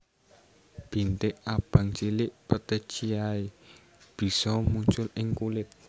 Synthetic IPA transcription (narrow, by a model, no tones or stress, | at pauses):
b̥i̤nt̪ɪʔab̥ä̤ŋt͡ʃilɪʔpət̪ət͡ʃiae | b̥i̤sɔmuɲt͡ʃʊlɪŋkulɪt̪̚